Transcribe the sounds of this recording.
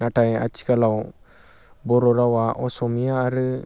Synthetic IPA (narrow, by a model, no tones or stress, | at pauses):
naʈaja̰t͡ʃi̥kalaw | bɔɾɔɾawaʔɔsɔmiaːɾə